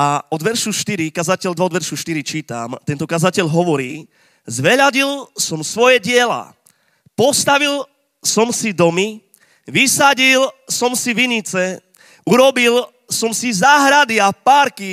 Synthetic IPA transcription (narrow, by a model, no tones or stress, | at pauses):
aɔd̪ʋɛɾʃuʃt̪iɾikazacɛʎd̪ʋaɔd̪ʋɛɾʃuʃt̪iɾit͡ʃiːt̪a̰mt̪ɛnt̪ɔkazacɛʎɦɔʋɔɾiː | zʋɛʎaɟilsɔmsʋɔjɛɟɪɛla̰ | pɔst̪aʋil | sɔmsid̪ɔmi | ʋisaɟilsɔmsiʋiɲit͡sɛ | uɾɔbil | sɔmsizaːɦɾad̪iapaːɾki